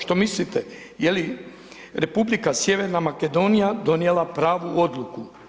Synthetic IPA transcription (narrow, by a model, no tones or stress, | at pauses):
ʃt̪o̞mislit̪e | jeli | ɾe̞publikasje̞ʋe̞ɾnamake̞d̪o̞nijad̪o̞nijelˠapɾaːʋuo̞d̪luku